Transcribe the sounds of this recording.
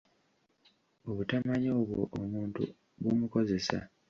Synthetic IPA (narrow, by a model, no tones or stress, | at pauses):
o̞βutamaɲo̞ːβwo̰ʔomuːntṵ | βumuko̞ze̞sa̰